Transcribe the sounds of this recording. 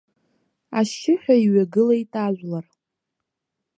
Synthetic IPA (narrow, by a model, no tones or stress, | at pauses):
aʃɪħʷᶣaiɥaɡɨlajtʼaʒʷlar